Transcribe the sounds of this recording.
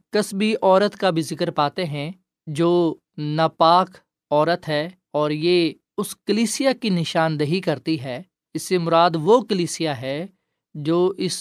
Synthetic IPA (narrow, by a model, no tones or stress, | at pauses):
kɐsbʱiʔɔːɾət̪kabʱizɪkəɾpaːt̪eɦɛ̃ | d͡ʒoː | napaːk | ɔːɾət̪ɦɛː | ɔːɾjeː | ʊskəliːsijakinɪʃaːnd̪ɐɦikɐɾt̪iɦɛː | ɪsːemʊɾaːd̪ʋokəliːsijaɦɛ | d͡ʒoːʔɪs